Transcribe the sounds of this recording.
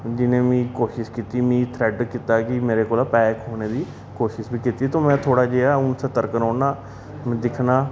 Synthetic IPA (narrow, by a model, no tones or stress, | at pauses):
d͡ʒɪnẽːmĩːkoːʃɪʃkiːt̪iːmĩːt̪ʰɾɛːɖkiːt̪aːkɪmeːɾeːkoːlaːpɛːkɦoːneːd̪iː | koːʃɪʃbiːkiːt̪iːt̪õːmɛ̃ːt̪ʰoːɽaːd͡ʒeːaːʊnsət̪əɾkənõːnaː | m̃ːd̪ɪkʰnaː